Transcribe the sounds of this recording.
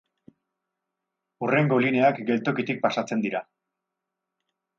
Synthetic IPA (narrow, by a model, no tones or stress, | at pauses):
ure̞ŋɡo̞line̞akɡe̞lt̪o̞kit̪ik̚pasat͡se̞nd̪iɾa